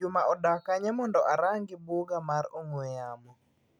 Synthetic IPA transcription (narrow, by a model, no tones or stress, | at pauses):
ʊmaʔɔdakaɲɛmɔndɔʔaɾaŋɡɪboɡamaɾoŋwejamɔ